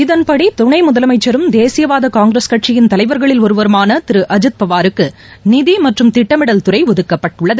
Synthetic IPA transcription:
ɪðɐnpɐɽit̪ʊɳɐɪmʊðɐlɐmɐɪt͡ʃːɐɾɯmd̪eːsɪjɐʋaːðɐkaːŋɡɾeskɐʈ̚t͡ʃɪjɪnt̪ɐlɐɪʋɐɾɣɐɭɪlɔɾɯʋɐɾɯmaːnɐt̪ɪɾɯʔɐd͡ʒɯt̪̚pɐʋaːɾɯkːɯ | nɪðimɐʈrɯmt̪ɪʈːɐmɪɽɐlt̪ʊɾɐɪʋɔðɯkːɐpːɐʈːʊɭːɐðɯ

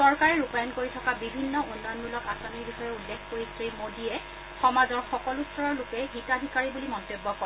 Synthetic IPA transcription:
sɔɹkaɹɛɹupajɔnkoɹitʰɔkabibʱinːɔʔunːɔjɔnmulɔkasaniɹbixɔjɛulːekʰkoɹisɹimodiɛ | xɔmazɔɹxɔkɔlutsɔɹɔɹlʊkɛɦitadʱikaɹibulimɔntobːɔkɔ

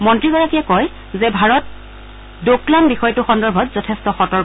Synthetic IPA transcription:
mɔntɹiɡɔɹakijakɔj | zɛbʱaɹɔt̚ | doklanbixɔjtʊxɔndɔɹbʱɔtzɔtʰɛstɔxɔtɔɹk

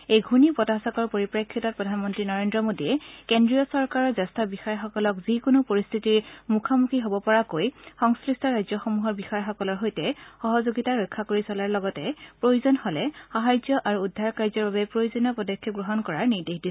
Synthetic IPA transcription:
ejɡʱunipɔtasakɔɹpoɹipɹekʰːitɔt̚pɹɔdʱanmɔntɹinɔɹendɹɔmodiɛkendɹijɔsɔɹkaɹɔɹzɛstabixɔjɔxɔkɔlɔkzikonopoɹist̪ʰitiɹmukʰamukʰiɦobɔpɔɹakojxɔŋskɹistʰɔɹajzjɔxomuɦɔɹbixɔjɔxɔkɔlɔɹɦojtɛxɔɦɔzoɡitaɹɔjkʰːakoɹisɔlaɹlɔɡɔtɛpɹojuzɔnhɔlɛxaɦajzɔʔaɹuːdʱːaɹkaɹzɔɹbabɛpɹojuzɔnɔpɔdɔkʰːɔɡɹoɦɔnkɔɹaɹniɹdexdis

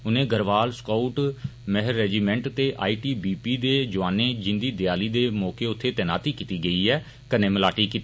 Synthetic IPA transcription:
ʊnẽːɡəɾʋaːlskauʈməɦəɾːɛːd͡ʒiːmɛ̃ːɳʈt̪eːʔa̰ːiːʈiːbiːpiːd̪eːd͡ʒʊʋaːneːd͡ʒɪ̃nd̪iːd̪ɪjaːliːd̪eːmɔːkeːʊt̪ʰːeːt̪ɛːna̰ːt̪iːkiːt̪iːɡəiːɛː | kənẽːməlaːʈiːkiːt̪iː

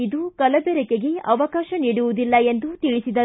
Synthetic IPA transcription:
id̪ukɐlɐbɛɾɛkeɡe̞ɐʋɐkaːʃɐniːɽuʋud̪ilːɐe̞nd̪ut̪iɭisid̪ɐ

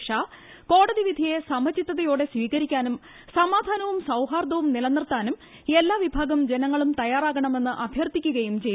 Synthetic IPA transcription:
ʂaː | ko̞ːɽɐðiʋid̪ʱijesɐmɐt͡ɕːit̪ːɐðɐjoːɽe̞sʋiːɣɐɾikʲːaːnum | sɐmaːd̪ʱaːnɐʋumsɐwɦaːrd̪ɐʋumnilɐnːirt̪aːnum | e̞lːaːʋibʱaːɡɐmd͡ʑenɐŋːɐɭumt̪ɐjaːraːɣɐɳɐme̞nːɨʔɐbʱjɐrt̪ikʲːuɣɐjumt͡ɕe

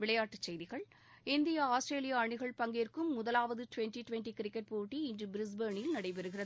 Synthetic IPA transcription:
ʋɪɭɐjaːʈːɯt͡ʃːɛjðɪɣɐɭ | ɪnd̪ɪjaːaːsʈɾeːlɪjaɐɳɪɣɐɭpɐŋɡerkɯmːʊðɐlaːʋɐðɯʈʊʋɛnʈiʈʊʋɛnʈikɪɾɪkːɐʈ̚poːʈːiɪndrɯbɪɾɪs̬bɐɾɳɪlnɐɽɐɪpɛɾɯɣɪrɐð

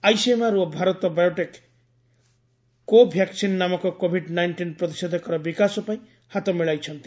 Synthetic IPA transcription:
ajsemaɾuɔbʱaɾɔt̪ɔbajoʈek | obʱjaksinːamɔkɔkobʱiɖnajɳʈinpɾɔt̪i̥sɔd̪ʱɔkɔɾɔbikasɔpaĩ | hat̪ɔmiɭajt͡ʃʰɔnt̪i̥

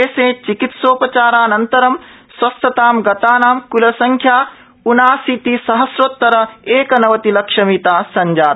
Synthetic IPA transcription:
eːsẽːt͡ʃikit̪soːpɐt͡ʃaːɾaːnɐnt̪ɐɾɐm | swɐst̪ɐt̪aːmɡɐt̪aːnaːmkulɐsɐŋkʰjaː | unaːsit̪isɐɦɐsɾoːt̪ːɐɾɐeːkɐnɐʋɐt̪ilɐkʂɐmit̪aːsɐɲd͡ʒaːd̪

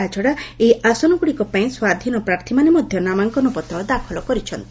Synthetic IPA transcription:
at͡ʃɔɽaeʔasɔnɔɡuɽikɔpaĩswad̪ʱinɔpɾaɾt̪ʰimanemɔd̪ʱjɔnamaŋkɔnupɔt̪ɔd̪akʰɔlɔkɔɾit͡ʃʰɔnt̪i̥

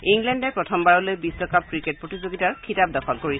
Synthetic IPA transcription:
iŋɡlɛndɛpɹɔtʰɔmbaɹɔlojbisɹɔkap̚kɹiket̚pɹotizoɡitaɹkʰitap̚dɔxʰɔlkoɹis

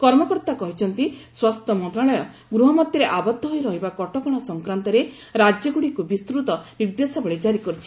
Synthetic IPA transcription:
kɔɾmɔkɔɾt̪akɔɦit͡ʃʰɔnt̪iswast̪ʰɔmɔnt̪ɾaɭɔjɔ | ɡɾuɦɔmɔt̪jɔɾeʔabɔd̪ʱːɔɦojɾɔɦibakɔʈɔkɔɽ̃ɔsɔŋkɾant̪ɔɾe | ɾad͡ʒjɔɡuɽikubist̪ɾut̪ɔniɾd̪esɔbɔɭed͡ʒaɾikɔɾit͡ʃʰi

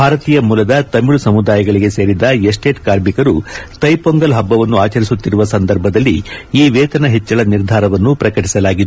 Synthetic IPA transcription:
bʱaːɾɐt̪iːjɐmuːlɐd̪ɐt̪ɐmːiɭusɐmud̪aːjɐɡɐɭiɡe̞se̞ːɾid̪ɐesʈeːʈkaːɾmikɐɾut̪ɐjpoŋɡɐlɦɐbːɐʋɐnːuaːt͡ʃɐɾisut̪ːiɾuʋɐsɐnd̪ɐɾbʱɐd̪ɐlːiiːʋeːt̪ɐnɐɦet͡ʃːɐɭɐniɾd̪ʱaːɾɐʋɐnːupɾɐkɐʈisɐlaːɡid̪u

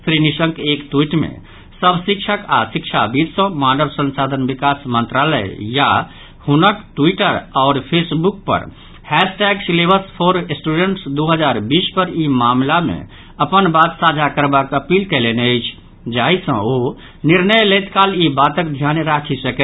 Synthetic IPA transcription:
pʰɾinisə̃ŋkekt̪uiʈmḛ̃ | səbʱsikt͡ʃʰəka̰sikt͡ʃʰa̰bid̪sə̃manəbsə̃nsad̪ʱənbikasmənt̪ɾalə̰jja | hunəkʈuiʈəɾaːɾpʰesbuk̚pə̰ɾ | hɛsʈɛɡslebəspʰoɾsʈuɖeɳʈsd̪oɦəd͡ʒaɾbispəɾimamlamḛ̃ | əpənbat̪sad͡ʒʱakəɾbakəpilkɛleneəɪt͡ʃʰ | d͡ʒaɦisə̰̃o | niɾnəjlət̪kalibat̪əkd̪ʱjanɾakʰisəkɛ

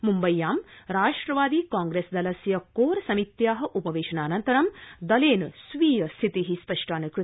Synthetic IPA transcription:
mumbɐjːaːmɾaːʂʈɾɐʋaːd̪iːkaːŋɡɾesd̪ɐlɐsjɐkoːɾɐsɐmit̪jaːɦɐ̆ʔupɐʋeːʂɐnaːnɐnt̪ɐɾɐmd̪ɐleːnsʋiːjɐst̪ʰit̪iɦispɐʂʈaːnɐkɾu

